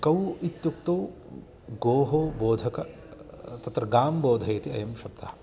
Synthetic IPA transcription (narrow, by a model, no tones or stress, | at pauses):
kɐwit̪jukt̪oː | ɡoːɦoːboːd̪ʱɐkɐ | t̪ɐt̪ɾɐɡaːmboːd̪ʱɐjɐt̪iɐjɐmʃɐb̚t̪ɐhɐ̥